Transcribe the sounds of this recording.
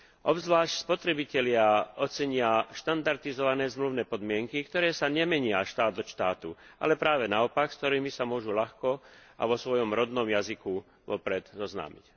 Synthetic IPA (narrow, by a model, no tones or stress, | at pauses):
ʔɔbzʋlaːʃcspɔt̪ɾɛbicɛlɪaɔt͡sɛɲɪaʃt̪and̪aɾt̪izɔʋanɛːzmluʊnɛːpɔd̪mɪɛŋkikt̪ɔɾɛːsaɲɛmɛɲɪaʃt̪aːd̪d̪ɔʃt̪aːt̪uʔa̰lɛpɾaːʋɛnaɔpakskt̪ɔɾiːmisamʊɔʒulaxkɔa̰ʋɔsʋɔjɔmɾɔd̪nɔmjaziku | ʋɔpɾɛd̪zɔzna̰ːmic